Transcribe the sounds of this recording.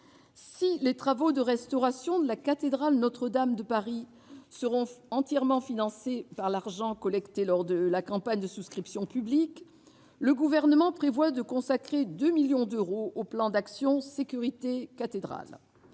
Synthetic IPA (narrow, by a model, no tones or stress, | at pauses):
silet̪χavod̪əʁɛst̪ɔʁasjɔ̃d̪əlakat̪ed̪ʁalnɔt̪χəd̪amd̪əpaʁi | səʁɔ̃ɑ̃t̪jɛʁmɑ̃finɑ̃sepaʁlaʁʒɑ̃kɔlɛkt̪elɔʁd̪əlakɑ̃paɲd̪əsuskχipsjɔ̃pyblik | ləɡuvɛʁnəmɑ̃pχevwad̪əkɔ̃sakχed̪ømiljɔ̃d̪øʁoʔoplɑ̃d̪aksjɔ̃sekʲyʁit̪ekat̪ed̪ʁa̰l